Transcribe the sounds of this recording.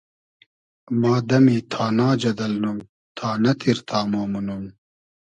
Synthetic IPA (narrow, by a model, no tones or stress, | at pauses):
maːd̪ɐmiːt̪ʰaːnaːd͡ʑɐd̪ɐlnum | t̪ʰaːnɐt̪ʰiɾt̪ʰaːmoːmunum